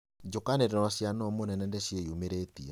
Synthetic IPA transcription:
d͡ʒokaneɾenaɕjanɔmonɛnɛndɛɕjejumeɾeːtia

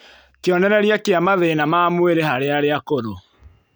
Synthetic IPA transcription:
keɔnɛɾɛɾiakeamaðeːnamaːmweɾehaɾeaɾeakoɾo

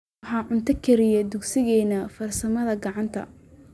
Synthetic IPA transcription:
ħɑːʕʊnt̪ʰɐkʰɛɾɪjɛd̪ʊɡsɪɣɛːnɐfɐrsɐmɐðɐɡɑʕɑnt̪ʰɐ̰

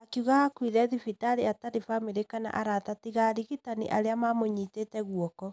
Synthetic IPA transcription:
akiuɣahakwiðɛðifitaɾeataɾefameɾekana̰ʔaɾatatiɣaɾiɣitanḭʔaɾeamamoɲitetɛɣwɔkɔ

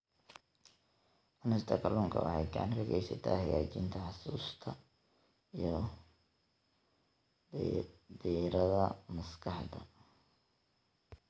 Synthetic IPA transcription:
ɐnɪst̪ʰɐkʰɐluːŋkʰɐ̰wɑ̰ħɑjɡɑʕɑnrɐɣɛjsɐt̪ʰaːhɐjaːt͡ʃɪnt̪ʰɐħɑsuːst̪ʰɐ | ijɞ | d̪iɾɐðɐmɐskʰɑħd̪ɐ̰

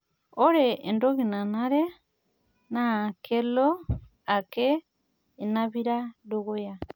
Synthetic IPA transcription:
oɾeendoɣinanaɾe | nakʰelo | ake | inaβiɾadoɣoja

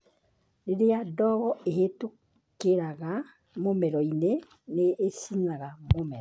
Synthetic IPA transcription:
neɾejadɔɣɔeɦetu | keɾaɣa | momɛɾɔine | neːsiɲaɣamomɛɾɔ

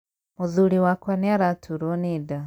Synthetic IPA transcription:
moðuɾiwakwaneaɾatʰuɾɔneda

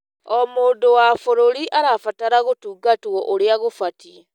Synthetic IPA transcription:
omoːndowafoɾoɾiʔaɾafataɾaɣotuːɡatwɔʔoɾeaɣofati

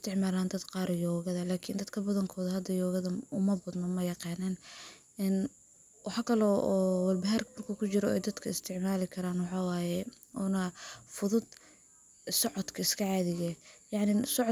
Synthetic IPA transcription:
ɪst̪ʰɪʕmaːlaːnd̪ɐd̪qɑːɾjɔːɣɐðɐlaːkʰɪnd̪ɐd̪kʰɐbɐðɐŋkʰɔːðɐhɐd̪ɐjɔːɣɐðɐʊmɐbɐd̪nɔmɐjɑqɑːnɛːn | ɪn | wɑħɑːkʰɐlɔʔɔːwɐlbɐɦɐrmɐrkʰɐkʰʊt͡ʃɪɾɔɛ̰jd̪ɐd̪kʰɐɪst̪ʰɪʕmaːlɪkʰɐɾaːnwɑħɑːwaːjɛ | ʔɔːnɐfʊðʊd̪ | sɔʕɔd̪kʰɐɪskʰɐʕɑːðɪɣɛjɑʕnɪsɔʕ

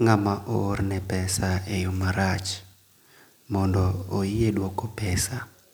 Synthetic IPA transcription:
ŋamaʔornɛpɛsaejomaɾat͡ʃ | mɔndɔojedwokopɛsa

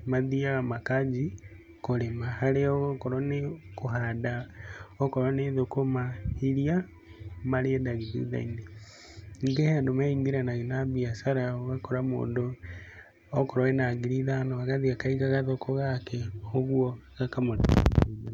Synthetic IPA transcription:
maðiaɣamakad͡ʒi | koɾemahaɾeoɣokoɾonekoɦadaokoɾaneðokomaiɾja | maɾeɛdaɣiðṵða̰ine | ŋɡehndomaiŋɡiɾanaɣenabiasaɾaoɣakoɾamo̰ːndoː | koɾoenaɡiɾiðanoaɣaðiakaiɣaɣaðokoɣakeoɣwɔɣakamoɾ

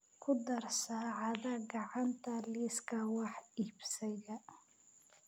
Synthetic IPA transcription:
kʰʊd̪ɐrsaːʕɑðɐɡɑʕɑnt̪ʰɐliskʰɐwɑħiːbsɛɣɐ

